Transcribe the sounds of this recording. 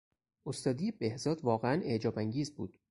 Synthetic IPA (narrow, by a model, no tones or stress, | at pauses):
ʔost̪ɒːd̪ijebe̞hzɒːd̪vɒːɣeæned͡ʒɒːbæŋɟiːzbuːd̪̥